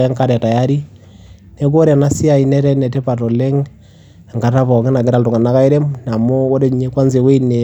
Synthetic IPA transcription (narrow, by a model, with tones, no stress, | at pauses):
ɛ˦ŋka˦˨ɾɛ˨ta˨ja˦ɾi˦ | ne˦k̬o˦ɾa˨na˦si˦a˨i˨nɛ˦ɾɛ˦nɛ˨te˦pa˨tɔ˨le˦ŋ˨ | ŋɡa˨ta˦βɔ˨ŋe˦na˨ke˦ɾa˨ltu˨ŋɡa˨na˦ka˦i˦ɾe˦mna˨mo˦o˦ɾe˦ɲɲe˦kwa˦nze˨we˦ine˨